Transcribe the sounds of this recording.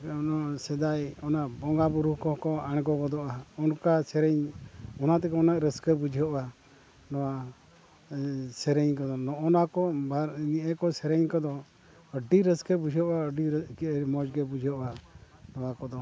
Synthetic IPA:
nɔsɛd̪ajɔnaʔbɔŋɡabuɾuhkɔkɔaɽ̃kɔbɔd̪ɔʔaɔnkasɛɾɛɲɔnat̪ɛkɔɔnaʔɾəskəbud͡ʒʱiɔʔa | nɔwa | sɛɾɛɲkɔd̪ɔnɔɔnakɔbaɾniʔɛkɔsɛɾɛɲkɔd̪ɔ | əɖiɾəskəbud͡ʒʱiɔʔaəɖiɾkiɾmɔd͡ʒɡɛbud͡ʒʱiɔʔa | nɔwakɔd̪ɔ

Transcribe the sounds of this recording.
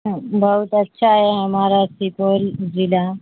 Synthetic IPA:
bʱəɦut̪ətːɕʰaɦeɦəmaɾasipold͡ʑila

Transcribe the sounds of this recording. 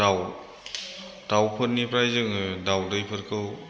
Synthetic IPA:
aw | tawpʰɯtnipɾajzɯŋdawdɯjpʰɯɾkʰɯw

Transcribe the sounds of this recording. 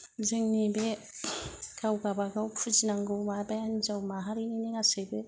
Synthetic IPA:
ziŋnibe | kawɡabaɡawkfud͡ʒinaŋɡowmabaand͡ʒawmaɦaɾininiŋasebe

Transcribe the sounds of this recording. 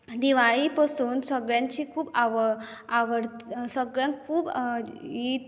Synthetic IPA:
d̪iʋaɭipasuːnsəɡɭjãɲt͡ɕiːkʰuːbaʋ | aʋəɽsəɡɭjãŋkʰuːb | i

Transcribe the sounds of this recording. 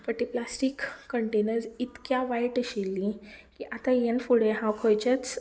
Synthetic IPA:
pəʈ̪iplasʈikːəɳʈenəɾsit̪kjaʋajʈəɕilːikiʔat̪ajenfuɽeɦãwkʰojt͡ɕat͡s

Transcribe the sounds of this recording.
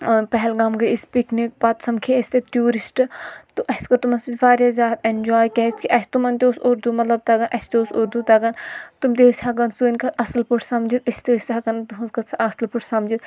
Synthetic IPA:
pɛɦɛlɡamɡɐispiknik̚bɐt̪sɐmkʰiɐsʲt̪eʈjuːɾisʈt̪uʔɐskɐt̪umɐsit͡ʃʲʋaːɾʲjazʲjaːt̪enʲd͡ʒoːjkɐst̪kiʔɐsʰt̪umɐnt̪ʲoːsuɾd̪umɐt̪lɐb̚t̪ɐɡɐnʔɐsʰʲt̪oːsuɾd̪ut̪ɐɡɐnt̪umt̪̬eːsʲʰaɡɐnsuinkɐt̪ɐsɐlpuʈʰsɐmd͡ʒit̪ɐst̪esʲaɡɐnt̪uɦɐnzkɐt̪sʰɐsɐlpuʈʰsɐmd͡ʒit̪

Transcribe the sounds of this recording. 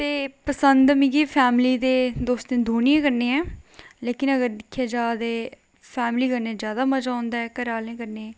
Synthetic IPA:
t̪eːpəsənd̪mɪ̃ɡiːpʰɛːmliːd̪eːd̪oːst̪ẽːd̪ʱoːniẽːkəɾneːɛ̃ːleːkɪnəɡəɾd̪ɪkʰːjaːd͡ʒaːd̪eː | pʰɛːmliːkəɾnẽːzjaːd̪aːməd͡ʒaːʊ̃ːnd̪aːɛːkəɾaːlẽːkəɾneɛː

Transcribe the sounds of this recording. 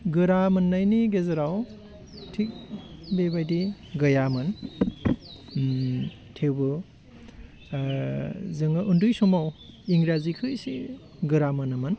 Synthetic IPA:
ɡɯɾamɯnːajniɡezɐɾaw | tʰik̚bebajdi | ɡɐjamɯn | tʰewbɯ | zɯŋɯʔundujsɔmawiŋɾazikʰɯjsi | ɡɯɾamɐnɯmɯn

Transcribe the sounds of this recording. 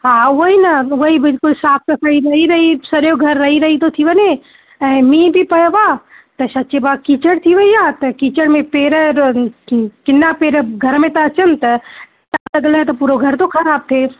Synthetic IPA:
ɦãːʋoɦinɐʋoibɪlkʊlsaːp̚ʰkɐkaiɾɐɦiɾɐɦisɐɾjoɡʱɐɾːɐɦiɾɐɦit̪ot̪ʰiʋəne | ɐ̃mĩːbʱipɐjbaː | t̪ɐsɐtːʃebakiːt͡ʃəɽt̪ʰiʋɐijaːt̪ɐkiːt͡ʃəɽmẽpeːɾə | kɪnːapeːɾəɡʱɐɾmẽt̪at͡ʃənt̪ɐ | ʈaːt̪ɐɡlet̪opuːɾoɡʱɐɾt̪okʰɐɾaːb̚t̪ʰeː

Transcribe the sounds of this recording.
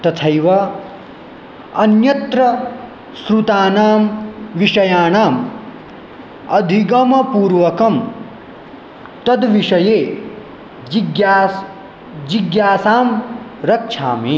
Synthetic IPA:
t̪ɐt̪ʰɐjʋɐ | ɐnjɐt̪ɾɐ | sɾut̪aːnaːmʋiʂɐjaːɳaːm | ɐd̪ʱiɡɐmɐpuːɾʋɐkɐm | t̪ɐd̪ʋiʂɐjeː | d͡ʒɡja | d͡ʒiɡjaːsaːm | ɾɐkʂʰa̰ːmi

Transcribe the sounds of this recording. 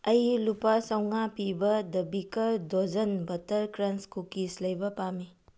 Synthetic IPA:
ɐjlupasɐwŋapibɐdɐbikɐɾdod͡ʒɐnbɐtɐɾkɾɐnskukislɐjbɐpami

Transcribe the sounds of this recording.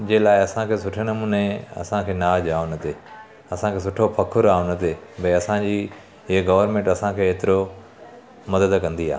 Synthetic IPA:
d͡ʑeːlaːɪɐsãkʰeːsʊʈʰenɐmuːneɐ̰sãkʰeːnaːd͡ʑaːõnɐt̪eː | ɐsãkʰeːs̬ʊʈʰopʰɐkʰʊɾaːõnɐt̪ebɐɐsãd͡ʑiː | ɦɪɦɡɐʋəɾmẽɳʈɐsãkʰeːeːt̪ɪɾo | mɐd̪əd̪kɐ̃nd̪ia̰ː

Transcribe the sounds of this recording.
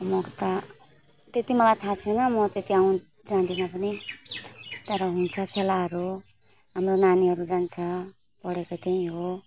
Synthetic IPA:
mʌkt̪ʌ | t̪et̪imʌlajt̪ʰãt͡sʰenʌmʌt̪et̪iaw̃ | d͡zand̪inʌpʌni | t̪ʌɾʌɦunt͡sʰʌkʰelaɦʌɾu | ɦamronaniɦʌɾud͡zant͡sʰʌ | pʌɽekot̪aĩɦo

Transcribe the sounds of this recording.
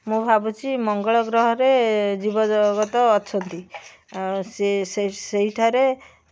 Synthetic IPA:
mũbʱabut͡ʃʰimɔŋɡɔɭɔɡɾɔɦɔɾed͡ʒibɔd͡ʒɔɡɔt̪ɔːt͡ʃʰɔnt̪i | seseseɦiʈʰaɾe

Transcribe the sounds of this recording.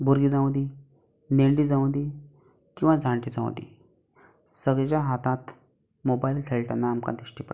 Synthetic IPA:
buɾɡiːd͡zãw̃d̪i | neɳɖid͡zãw̃nd̪i | kĩw̃ʋad͡zʱãɳʈid͡zã̰w̰̪̃d̪ḭ | səɡɭet͡ɕaɦat̪at̪ | mobailʈʰeɭʈanːaːmka̰d̪iɕʈip

